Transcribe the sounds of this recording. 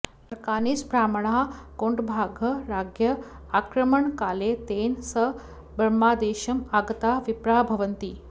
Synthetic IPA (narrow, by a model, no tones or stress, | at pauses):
ɐɾkaːniːsbɾaːmɳ̃aːkoːɳɖbʱaːɡʱɐɾaːɡjɐ | aːkɾɐməɳkaːlet̪eːnsə | bɾɐmːaːd̪eːɕɐmaːɡɐt̪aːʋipɾaːbʱɐʋənt̪iː